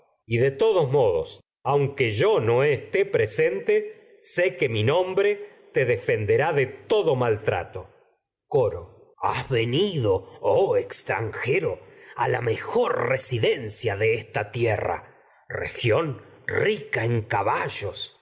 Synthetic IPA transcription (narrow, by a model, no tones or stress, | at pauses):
iðet̪oðosmo̞ðo̰s | awŋkeʒonoest̪epɾesent̪e | sekeminõ̞mbɾe̞t̪eðefe̞nd̪eɾaðet̪o̞ðomalt̪ɾa̰t̪o | koɾo̰ | azβeniðooekst̪ɾa̰ŋxeɾoa̰la̰mexoɾresiðensjaðeest̪at̪jera̰ | rḛxjo̞nrikaeŋkaβaʒos